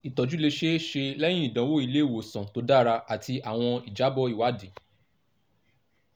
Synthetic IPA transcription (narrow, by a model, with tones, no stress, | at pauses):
i˨tɔ˨d͡ʒu˨˦le˧ʃe˦ʃe˧lɛ˦j̃ĩ˦ĩ˦˨dã˨˦wo˦˨i˧le˦˨wo˨sã˨to˨˦da˦˨˧ɾa˧a˨tʰi˧ʔa˨w̃ɔ̃˧i˨d͡ʒa˨˦bɔ˦i˦˨wa˨˦di˨